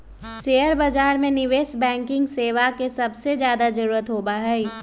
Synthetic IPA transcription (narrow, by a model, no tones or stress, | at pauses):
ʃeːəɾbad͡ʒaːɾmẽnɪʋeːsbɛ̃ːŋkɪ̃ŋɡseːʋakesɐbsed͡ʒjaːd̪ad͡ʒɐɾuːɾət̪ɦoːbaɦɛi